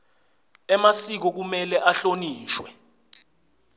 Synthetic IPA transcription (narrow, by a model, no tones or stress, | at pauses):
ɛmasik̬ɔk̬umɛlɛʔaɬoniːʃwɛ